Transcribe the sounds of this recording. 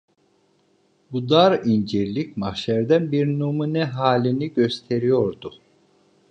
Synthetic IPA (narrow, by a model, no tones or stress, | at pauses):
bud̪aɾind͡ʒiɾlʲic̚maxʃæɾd̪ænbiɾnumunɛɦaːlʲiniɟø̞st̪ʰe̞ɾijo̞ɾd̪ʊ